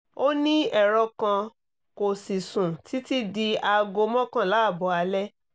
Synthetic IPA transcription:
o˦nĩ˦ɛ˦˨ɾɔ˧kã˧ | ko˨si˨sũ˨ti˨˦ti˦di˧a˧ɡo˧mɔ̃˦kã˦˨la˨˦a˦˨bɔ˧˦a˧lɛ˦

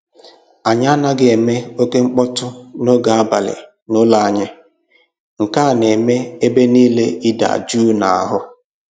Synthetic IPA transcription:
a˨ɲa˦na˦ɡɪ˦e˨me˦o˦ke˦ŋ͡m̩˦k͡pɔ˦tʊ˦no˦ɡa˨a˦ba˨lɪ̰˨ | nʊ˦la˨a˨ɲɪ˦ | ŋ̩˨ka˦˨ne˨me˦e˦be˦niː˦le˦i˦da̰˨d͡ʒu˦na˨a̰˨ɦʊ˦

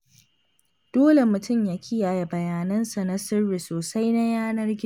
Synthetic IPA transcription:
d̥oː˦le˨mʊ˨tʊ˦˨mjaː˦kʲʰɪ˦jaː˨ja˨bɐ˨jaː˨nɐ˦nsa˨na˦sɪ˦rːi˨soː˨sa˦jna˦jaː˦nɐ˦rɡʲɪ˦˨

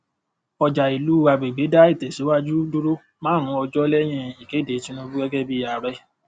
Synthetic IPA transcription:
ɔ˨d͡ʒa˨i˨lu˨˦a˧ɡ͡be˨ɡ͡be˨˦da˦i˦˨tɛ˨si˨˦wa˦d͡ʒu˦du˦ɾo˦ | mãː˦˨ɾ̃ũ˨˦ɔ˧d͡ʒɔ˦lɛ˦j̃ɛ̃˦˨i˨ɡe˨˦de˨˦ti˦nũ˧˦bu˦ɡɛ˦ɡɛ˦bi˦˨a˨ɾɛ˧˦

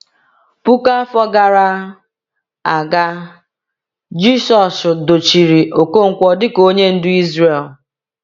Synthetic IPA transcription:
pu˦ka˦fɔ˦ɡa˨ɾa˦ | a˨ɡa˦ | d͡ʒi˦sɔ˨sʊ˨do˨t͡ʃi˨ɾi˨ʔo˨ko˦ŋ̩˨kʷɔ˦dɪ˦ko˦ɲe˦n̩˦dʊ˦i˦zɾe˨l

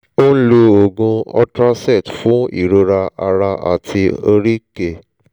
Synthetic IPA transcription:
o˦n̩˦lo˧o˨ɡũ˧ɔ̰˧tɾã˦sɛ˦˨tfũ˨˦ḭ˦˨ɾo˧ɾa˧ʔa̰˧ɾa˧ʔa̰˨tʰi˧o˧ɾi˦ke˨

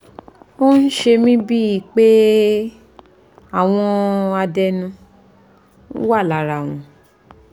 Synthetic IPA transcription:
o˦n̩˦ʃe˧mĩ˦bi˦i˨k͡pe˦ | a˦˨w̃ɔ̃˧a˧dɛ˧nũ˧˦ | wa˦˨la˨ɾa˨w̃ũ˨

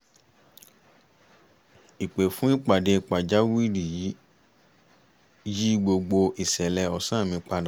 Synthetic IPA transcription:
i˨k͡pe˨fũ˨˦i˦k͡pa˨de˧k͡pa˨d͡ʒa˨˦wi˦ɾi˨ji˨˦ | ji˦ɡ͡bo˧ɡ͡bo˧i˨sɛ˨lɛ˧ɔ˨˧sã˦˨mĩ˧k͡pa˧da˨

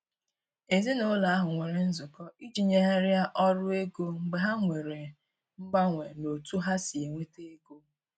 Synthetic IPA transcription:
e˨zi˦no˦la˨a˦ɦʊ˨ŋʷe˨ɾe˨n̩˦zʊ˨kɔ˦i˦d͡ʒi˨ɲe˦ɦa˦ɾja˦ʔɔ˦ɾʊ˦e˦ɡo˦ŋ͡m̩˨ɡ͡be˨ɦa˦ŋʷe˨ɾe˨ | ŋ͡m̩˦ɡ͡ba˦ŋʷe˨no˨tu˦ɦa˦si˨e˨ŋʷe˦te˦e˦ɡo˦

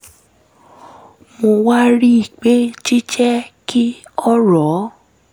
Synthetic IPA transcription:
mo˧wa˦ɾi˦i˨k͡pe˦t͡ʃi˦t͡ʃɛ˦kʰi˦ɔ˦ɾɔ˨˦

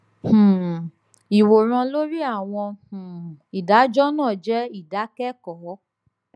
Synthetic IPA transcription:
h̩˨ | i˨wo˨ɾ̃ã˧lo˦ɾi˦a˦˨w̃ɔ̃˧h̩˨i˨da˨˦d͡ʒɔ˦nãː˦˨d͡ʒɛ˦i˦˨da˨˦kɛ˦kɔ˨˦

